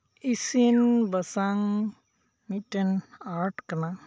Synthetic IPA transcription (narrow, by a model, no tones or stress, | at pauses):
isinbɐsaŋ | mitɐnaɾʈkɐna